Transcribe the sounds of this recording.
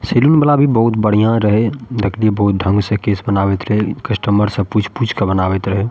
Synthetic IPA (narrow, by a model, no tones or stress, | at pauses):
selunbəlabʱibəɦut̪bəɽ̤ijãɾəɦed̪ekʰliebəɦut̪̚d̪ʱə̃ŋɡsẽkesbənabɛt̪ɾəɦekəsʈəmbəɾsə̃put͡ʃʰput͡ʃʰkebənabɛt̪ɾəɦe